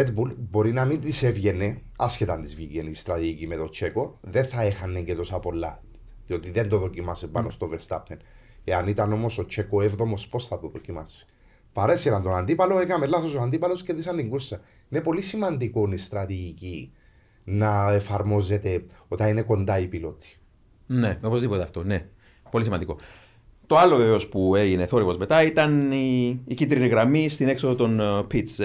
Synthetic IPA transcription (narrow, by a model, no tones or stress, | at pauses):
et̪bulbo̞ɾinɐmind̪isevʝe̞ne̞ | ɐscet̪ɐnd̪izviɡenist̪ɾɐt̪iʝicimet̪o̞t͡ʃe̞ko̞ðe̞θɐe̞xɐnːeɲɟet̪o̞sɐpo̞lːɐ | ðio̞t̪iðend̪o̞ðo̞cimɐsepɐno̞st̪o̞vest̪ɐpʰːen | eɐnit̪ɐno̞mo̞so̞t͡ʃe̞koevðo̞mo̞spo̞sθɐt̪oðo̞cimɐsi̥ | pɐɾeseɾɐnt̪o̞nand̪ipɐlo̞ekɐmelːɐθo̞soand̪ipɐlo̞sceðisɐnd̪iŋɡusːɐ | ine̞po̞lisimɐnd̪iko̞nist̪ɾɐt̪iʝici | nɐe̞fɐɾmo̞ze̞t̪e̞ot̪ɐine̞ko̞nd̪ɐipilo̞t̪i̥ | neo̞po̞zðipo̞t̪eɐft̪o̞ne̞ | po̞lis̬imɐnd̪iko̞ | t̪o̞ɐlo̞veveo̞spue̞ʝineθo̞ɾipozme̞t̪ɐit̪ɐniːcind̪ɾiniɣɾɐmist̪ine̞ksoðot̪o̞npit̪s